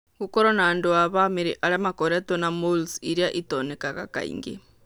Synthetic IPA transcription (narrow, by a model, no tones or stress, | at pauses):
kukoɾonandoaβamiɾiʔaɾamakoɾetonamulsiɾiaʔitonekaɣa̰ka̰ḭŋɡḛ